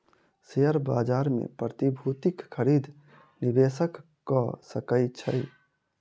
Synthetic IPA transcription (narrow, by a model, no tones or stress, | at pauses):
sejəɾbaːd͡ʒaːɾmḛ̃pɾət̪ibʱut̪ikkʰəɾiːd̪ʱ | nibeːsəkː | ɔsəkəɪt͡ʃʰəj